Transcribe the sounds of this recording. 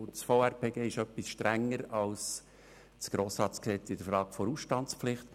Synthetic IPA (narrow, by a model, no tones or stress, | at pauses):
t͡sfoːæɾpʰeːɡeːɪʃœpːisʃtɾæŋːəɾɑls | t͡sɡ̥ɾoːsɾɑːtt͡sksɛtɪd̥̪əɾfɾɑːɡ̥fɔɾusʃtɑnt͡spflɪχt